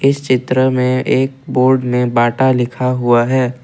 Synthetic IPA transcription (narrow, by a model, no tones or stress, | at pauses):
ɪst͡ʃɪt̪ɾəmẽeːk̚boːɾɖmẽbaːʈalɪkʰaɦʊaɦɛː